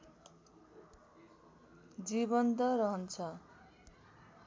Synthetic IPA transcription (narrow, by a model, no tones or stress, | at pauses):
d͡zibʌnt̪ʌɾʌɦʌnt͡sʰʌ